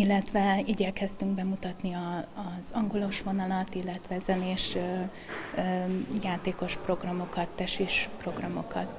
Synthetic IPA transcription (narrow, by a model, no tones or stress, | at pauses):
ilːɛt̪ʋɛiːɟɛkɛst̪yŋɡbɛmut̪ɒt̪niɒːzɒŋɡo̞lo̞ʃʋo̞nɒlɒt̪ilːɛt̪ʋɛzɛneːʃ | jaːt̪eːko̞ʃpro̞ɡrɒmo̞kɒt̪ːɛʃiʃpro̞ɡrɒmo̞kɒt̪